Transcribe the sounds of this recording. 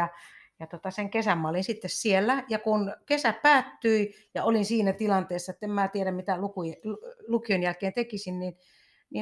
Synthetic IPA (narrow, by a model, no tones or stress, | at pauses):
ɑjɑt̪ot̪ɑseŋkesæmmɑolinsit̪ːessielːæjɑkunkesæppæːt̪ːyi | jɑolinsiːnæt̪ilɑnt̪eˑːsːɑĕt̪ːemmæːt̪ieɾæmmit̪ælukullukionjælkeːnt̪ekisinnin | ni